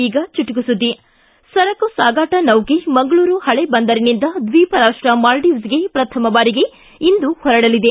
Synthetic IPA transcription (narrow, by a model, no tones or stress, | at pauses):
iːɡɐt͡ʃiʈuɡusud̪ːi | sɐɾɐkusaːɡaːʈɐnɐwɡemɐŋɡɐɭuːɾuhɐɭebɐnd̪ɐɾinind̪ɐd̪ʋiːpɐɾaːʂʈɾɐmaːlɖiːʋsɡepɾɐt̪ʰɐmɐbaːɾiɡe̞ | ind̪uhɔɾɐɽɐlid̪e̞